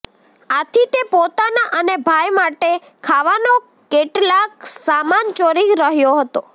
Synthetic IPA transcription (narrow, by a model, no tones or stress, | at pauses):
at̪ʰit̪epot̪anaʔənebʱajmaʈe | kʰaʋano | keʈlak̚samant͡ʃoɾiɾəɦjoɦət̪o